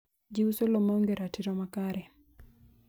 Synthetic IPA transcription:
d͡ʒiusolɔmauŋɡɛɾatiɾɔmakaɾɛ

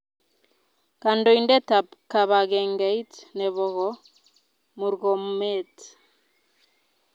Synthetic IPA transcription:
kandɔindɛtapkaβaɣɛŋɡaitnɛβɔɣɔ | muɾɣɔmmɛt

